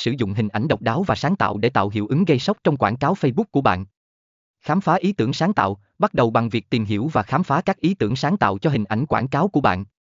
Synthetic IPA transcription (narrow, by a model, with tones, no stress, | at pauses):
sɨ˧˩zʊ̰˧˨ŋ͡mɦï˨˩ŋ̟ʔa˧˩jŋɗə˨˩wk͡p̚ɗaː˨˦wvaː˨˩saː˨˦ŋt̪a̰ː˧˨wɗe˧˩t̪a̰ː˧˨wɦḭ˧˩əwʔɨ˨˦ŋɣə˧jsə˦˥wk͡p̚t͡ɕɔ˧wŋ͡mkwaː˧˩nkaː˨˦wfə˧jɓʊ˦˥k̚ku˧˩əɓa̰ː˧˨nʔ | xaː˨˦mfaː˨˦ʔi˨˦t̪ɨ˧˩əŋsaː˨˦ŋt̪a̰ː˧˨w | ɓa˦˥t̚ɗə˨˩wɓa˨˩ŋvi˨˩ək̚t̪i˨˩mɦi˧˩əwvaː˨˩xaː˨˦mfaː˨˦kaː˦˥k̚ʔi˨˦t̪ɨ˧˩əŋsaː˨˦ŋt̪a̰ː˧˨wt͡ɕɔ˧ɦï˨˩ŋ̟ʔa˧˩jŋ̟kwaː˧˩nkaː˨˦wku˧˩əɓa̰ː˧˨nʔ